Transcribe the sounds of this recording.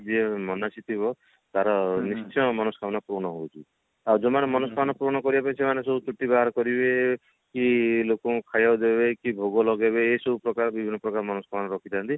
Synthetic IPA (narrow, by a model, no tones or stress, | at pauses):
d͡ʒemɔnat͡ʃit̪ʰibɔ | t̪aɾɔnist͡ʃʰɔmɔnɔskʰamnɔpɾonɔɦowt͡ʃʰi | awd͡ʒɔmanemɔnɔsɔkʰanɔpɾoñɔkɔɾibapaĩsemanesɔbut͡ʃuʈːibaɦaɾɔkɔɾibe | kilokɔkʰajawd̪ebekibʱoɡɔlɔɡebeːsɔbupɾɔkaɾbibʱinːɔpɾɔkaɾɔmɔnɔskʰamnɔɾɔkʰit̪ʰant̪i